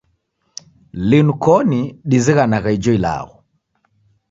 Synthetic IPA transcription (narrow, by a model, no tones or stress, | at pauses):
linukɔniɗiziɣanaɣaid͡ʒɔila̰ɣɔ